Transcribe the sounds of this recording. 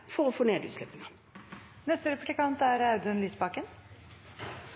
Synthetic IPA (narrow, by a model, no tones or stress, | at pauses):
fɔʁoːfoːneːd̪ʉ̰t̪slɛpənə | nɛst̪əɾɛpʉlɪkʰɑnt̪æɾɑʉd̪ənlyːsbɑkən